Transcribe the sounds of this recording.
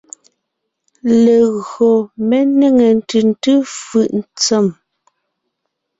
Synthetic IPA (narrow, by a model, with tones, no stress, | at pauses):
le˨ɣɰo˨me˦ne˦˨ŋe˨n˨tʉ˨n˦tʉ˦fʉ˨ʔn̩˦t͡sɛ˦˨m